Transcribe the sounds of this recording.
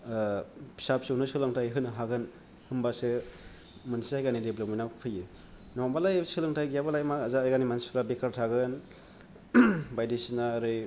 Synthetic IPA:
pʰi̥sap̚sɯwnɯsɯlɯŋtʰajɦɯnɦaɡɯn | hɯmbasɯ | mɯnsajɡanideblominawpʰɯjɯ | nɔmbalajsɯlɯŋtʰajɡjabalajmakazaajɡanimansɾabekʰaɾtʰaɡɯn | bajdisinaɾɯj

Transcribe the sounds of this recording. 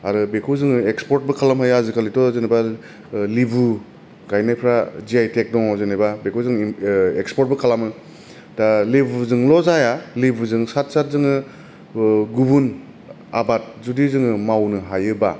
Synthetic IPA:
aɾɯbekʰuzɯŋɯekspɔɾt̚bɯkʰalamɦajazɯkʰalitɔzenajba | libʱu | ɡajnajpʰɾaziajtʰek̚dɔŋɔzenajbabekʰuwzɯŋekspɔɾt̚bɯkʰalamɯ | dalibʱzɯŋlɔzajalibʱuzɯŋsat̚sat̚zɯŋɯ | ɡubun | a̰bat̚zudizɯŋɯmawnɯɦajɯba

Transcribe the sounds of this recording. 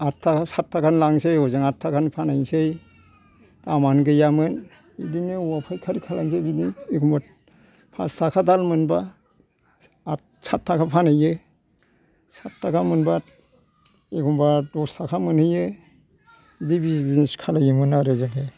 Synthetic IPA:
aakasatʰːakʰanlaŋsejɔzɯŋaakʰanpʰanajsej | tamanɡɯjamɯn | bidinɯuwapʰajkʰaɾikʰalaŋsebidiekɔmba | pʰa̰stʰakʰadalmɯnba | satʰːakʰapʰanɯjɯ | satʰːakʰamɯnba | ekumbadɔstʰakʰamɯnhɯjɯ | idibizdineskʰalajɯmɯnaɾezake

